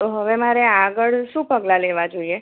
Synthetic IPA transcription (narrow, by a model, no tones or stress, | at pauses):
t̪oɦəʋemaɾeaɡəɭʃũpəɡlaleʋad͡ʒoie